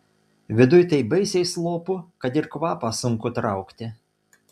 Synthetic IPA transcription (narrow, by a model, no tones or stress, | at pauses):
ʋʲɪd̪ʊjt̪ɐɪbɐɪsʲɛɪslˠoːpʊkɐt̪ɪɾkʋɑːpɑsʊŋkʊt̪ɾɑˑʊkt̪ʲɪ